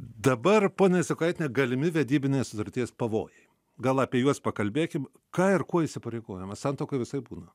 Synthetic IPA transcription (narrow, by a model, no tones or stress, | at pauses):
d̪ɐbɐrpoːnʲɛɪsʲɪkɐɪt̪ʲnʲeɡɐlʲɪmʲɪʋʲɛd̪ʲiːbʲɪnʲeːsʊt̪ɐɾʲt̪ʲiɛspɐʋo̰ːjɛɪ | ɡɐlˠɐːpʲiɛjuɔspɐkɐlʲbʲeːkʲɪm | kɑːɪrkuɔisʲɪpɐɾʲɛɪɡoːjɛmɐsɑnt̪oːkɐɪʋʲɪsɐɪbuːnɐ